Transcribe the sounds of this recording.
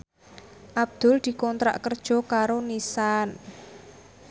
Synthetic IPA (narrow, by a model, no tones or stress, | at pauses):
ʔab̥̚d̪̥ʊ̤ld̪̥i̤kɔnt̪ɾa̰ʔkərd̥ʒ̥ɔ̤kaɾonisan